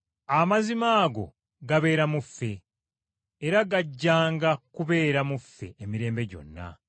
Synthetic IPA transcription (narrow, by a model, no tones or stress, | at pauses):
amazimaːɡo̞̰ | ɡaβe̞ːɾamufːe̞ː | ɾaɡaɟːaːŋɡakuβe̞ːɾamufːe̞̰emiɾe̞ːmbe̞ɟo̞̰nːa̰